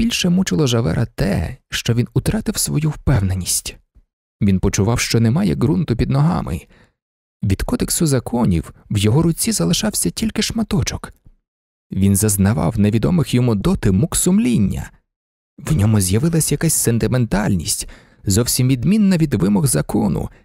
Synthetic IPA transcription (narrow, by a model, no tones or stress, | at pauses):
b̥ʲilʲʃɛmut͡ʃɪlˠɔʒɐʋɛ̰ɾʔɐt̪ɛ̰ʃt͡ʃɔʋʲinʊt̪ɾɑt̪ɪwsʋɔjuwpɛwnenʲisʲtʲ | ʋʲinpɔt͡ʃʊʋɑwʃt͡ʃɔnɛmɑjɛɡɾunt̪ʊpʲid̪nɔɦɑ̰mɪ̰ | ʋʲid̪kɔd̪eksʊzɐkʰɔnʲḭwwjɔɦɔɾʊt͡sʲizɐlˠɪʃɑwsʲɐtʲilʲkɪʃmɐt̪ɔt͡ʃɔk | ʋʲinzɐznɐʋɑ̰wneʋʲid̪ɔmɪxjɔmud̪ɔt̪ɪmuksʊmlʲinʲːɐ̰ | wnʲɔmʊzʲjɐʋɪlˠɐsʲjɐkasʲsent̪ɪment̪ɑlʲnʲḭsʲtʲ | zɔwsʲimʋʲid̪mʲinːɐʋʲid̪ʋɪmɔɣzɐkɔnʊ̰